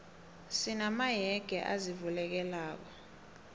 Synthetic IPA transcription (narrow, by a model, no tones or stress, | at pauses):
sinamajɛɡ̥ʱɛ̰ʔa̰zivulɛk̬ɛlaːk̬ɔ